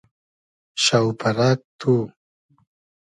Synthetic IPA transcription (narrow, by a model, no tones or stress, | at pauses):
ʃawpaɾak̚t̪ʰu